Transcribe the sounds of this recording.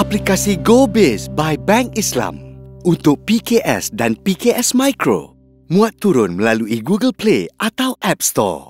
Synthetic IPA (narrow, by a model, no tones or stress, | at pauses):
ʔaplikasiɡobesbajbɛ̃ŋkislã̰munt̪ʊk̚pikeʔɛ̰sdanpikeʔɛsmajkɾo̰ | mũat̪ːuɾʊnməlaluiɡuɡəlpleʔat̪awʔɛp̚st̪ɔ̰